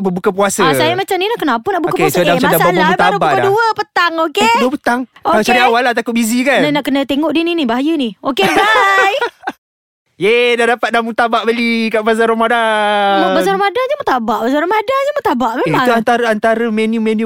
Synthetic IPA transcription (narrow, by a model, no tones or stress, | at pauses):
bəbukap̬uasəsajəmat͡ʃamninaʔkənapənaʔbukapuasəaasalaut̪aɾubakaduəpət̪aŋokeduəpət̪aŋkoalat͡ʃaɾiawalaht̪akʊt̪̚bizikannnaʔkənət̪eŋɔʔdininibaɦajəniokeaj | jedadapat̪̚damut̪abaʔbəlikaʔbazaɾomadamɔbazaɾomadand͡ʒəmat̪abaʔbazaɾamadand͡ʒəmat̪abaʔmemiauant̪aɾəant̪aɾəmenumenu